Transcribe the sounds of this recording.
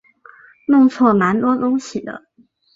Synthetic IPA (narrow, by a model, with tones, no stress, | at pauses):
nʊ˥˧ŋt͡sʰwɔ˥˩ma˧˥nt̪wɔ˥t̪ʊ˥ŋɕi˨˩d̪ə̰˦